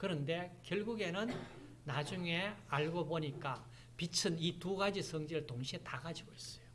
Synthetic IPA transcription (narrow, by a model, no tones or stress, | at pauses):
kɯɾʌnde̞kjʌɭɡuɡe̞nɯn | nad͡ʑuŋe̞aɭɡoboɲik͈a | pit͡ɕʰɯnituɡad͡ʑisʰʌŋd͡ʑiɾɯɭtoŋɕʰietaɡad͡ʑiɡois͈ʌ̥jo